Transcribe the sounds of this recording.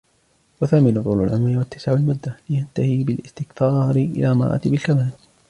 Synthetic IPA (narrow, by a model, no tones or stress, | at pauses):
waθaːmɪnʊt̪ˤuːlʊ̰lʕamɾɪwat̪ːɪ̥saʕalmʊd̪ːalɪjant̪ahiːbɪlʔɪst̪ɪkθɑːɾɪʔɪ̰laːmɑ̰ɾˤʔɑ̰t̪bɪlkamaːl